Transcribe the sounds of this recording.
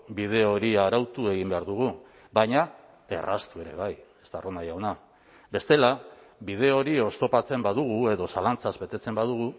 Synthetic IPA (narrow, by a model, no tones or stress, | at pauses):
bið̞e̞o̞ɾiaɾawt̪ue̞ɣimbe̞aɾðuɣ̞u | bajɲa | e̞̰ra̰st̪ue̞ɾe̞̰β̞aje̥st̪aronajawna | be̞st̪e̞la | bið̞e̞o̞ɾio̞st̪o̞pat͡se̞mbaðuɣ̞ue̞ðo̞salant͡sazbe̞t̪e̞t͡se̞mbaðuɣ̞u